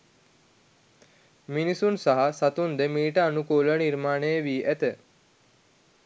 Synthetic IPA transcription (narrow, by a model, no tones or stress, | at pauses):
minisunsaɦasat̪und̪əmiːʈəanukoːləniɾmaːnəjəʋiːʔæt̪ə